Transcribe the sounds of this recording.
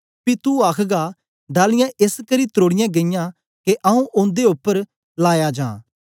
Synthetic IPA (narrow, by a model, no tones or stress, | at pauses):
pit̪uaːkʰɡa | ɖaːlɪjãʔɪskɐɾit̪ɾoːɽɪjãːɡɐɪjã | keʔɐũʔʊ̃nd̪eʊpːəɾ | laːjad͡ʒã̰ː